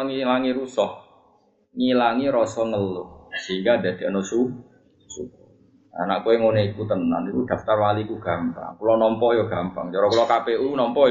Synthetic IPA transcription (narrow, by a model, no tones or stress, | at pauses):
ŋilaŋiɾusɔh | ŋilaŋiɾɔsɔŋəlusəɦiŋɡad̪a̤d̪̥e̤anosu | su | a̰naʔkueŋoneikut̪əna̰nit̪ud̪̥a̤ft̪arwalikuɡ̥a̤mpa̰ŋkulɔnɔmpɔʔjɔɡ̥a̤mpa̰ŋt͡ʃɔɾɔkulɔkapeʔunɔmpɔʔj